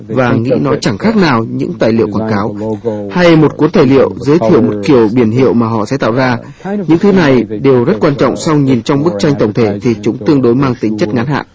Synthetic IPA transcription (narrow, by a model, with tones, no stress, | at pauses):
vaː˨˩ŋḭ˧˥nɔ˨˦t͡ɕa˧˩ŋxaː˦˥k̚naː˨˩wɲɨ̰˧˥ŋt̪aː˨˩jlḭ˧˨əwkwaː˧˩nkaː˨˦wha˧jmo˨˩t̚ku˨˦ənt̪ʰaː˧˩jlḭ˧˨əwzəː˨˦jt̪ʰḭ˧˨əwmo˨˩t̚ki˧˩əwɓi˧˩ənɦḭ˧˨əwmaː˨˩ɦɔ̰˧˨sɛ̰˧˥t̪a̰ː˧˨wzaː˧ | ɲɨ̰˧˥ŋt̪ʰɨ˨˦na˨˩jɗe˨˩wzə˦˥t̚kwaː˧nt͡ɕɔ̰˧˨wŋ͡msɔ˧wɲi˨˩nt͡ɕɔ˧wŋ͡mɓɨ˦˥k̚t͡ɕa˧jŋ̟t̪ə˨˩wŋ͡mt̪ʰe˧˩t̪ʰi˨˩t͡ɕʊ˨˦ŋ͡mt̪ɨ˧əŋɗo˨˦jmaː˧ŋt̪ï˨˦ŋ̟t͡ɕə˦˥t̚ŋa˨˦nɦa̰ː˧˨ʔ